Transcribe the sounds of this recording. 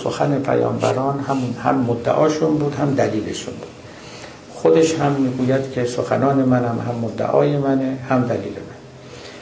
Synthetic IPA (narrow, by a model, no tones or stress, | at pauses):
so̰xæne̞pʰæ̰jɒ̰ːmbæ̰ɾɒːnhæmunhæ̰mːod̪ːæ̰ʔɒːʃunbuːd̪hæmd̪æliːle̞̰ʃunbuːd̪̥ | xod̪e̞ʃhæmːiːɡuːjæd̪̥cʲʰesoxæ̰nɒːne̞mænhæmhæmːod̪ːæ̰ʔɒ̰ːje̞mænehæmd̪æliːlḛmæn